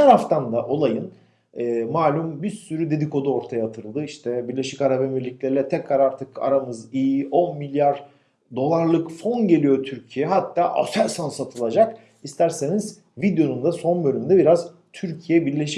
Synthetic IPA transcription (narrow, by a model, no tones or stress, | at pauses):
aɾaft̪ʰand̪aʔo̞lˠajɯn | ɛːmaːlʲumbiɾsyɾyd̪e̞d̪iko̞d̪uo̞ɾt̪ʰajaat̪ʰɯɾɯlˠd̪ɯiʃt̪ʰɛbiɾlʲe̞ʃicaɾabemiɾlʲiclʲe̞ɾilʲɛt̪ʰɛcɾaɾaɾt̪ʰɯka̰ɾamɯzijiʔo̞nmilʲjaɾ | d̪o̞lˠaɾlˠɯkfo̞nɟe̞lʲijo̞t̪ʰyɾcʰijɛɦat̪ʰːaːʔa̰sæɾsansat̪ʰɯlˠad͡ʒak | ist̪ʰæɾse̞niz | vid̪jo̞nund̪aso̞nbø̞lʲymind̪ɛbiɾaz | t̪ʰyɾcʰijɛbiɾlʲe̞ʃi